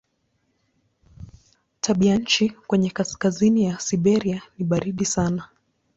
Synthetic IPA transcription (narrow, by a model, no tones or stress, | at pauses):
tʰaɓiaɲ̩t͡ʃikwɛɲɛkaskazinijasiɓɛɾianiɓaɾiɗisana